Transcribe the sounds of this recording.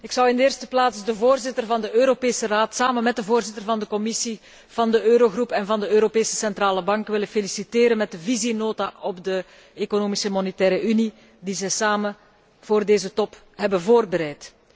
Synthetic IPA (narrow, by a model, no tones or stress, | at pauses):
ɪksɑwɪndəeːrstə̥plaːtsdəvoːrzɪtərvɑndəʔøːɾopeːsəraːtsaːmənmɛt̚dəvoːrzɪtərvɑndəkɔmɪsi | v̥ɑndəʔøːɾoɣrupɛnvɑndəøːɾopeːsə̥sɛntraːləbɑŋkʋɪlənfelisiteːɾənmɛt̚dəvizinoːtaʔɔbdə | ekonoːmisəmɔnɛtɛːɾəʔyni | dizɛjsaːmən | v̥oːrdeːzətɔp | ɦɛbənvoːrbəɾɛjt